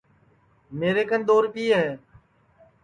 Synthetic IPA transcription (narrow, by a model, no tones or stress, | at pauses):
meːɾeːkənd̪oːɾpiːɦɛː